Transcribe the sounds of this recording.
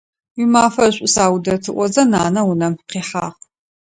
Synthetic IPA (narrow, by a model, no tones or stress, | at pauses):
wimaːfɐɕʷʼʊsaːwdɐtʰɨʔʷɔzɐnaːnɐwʊnɐmqiːħaːʁ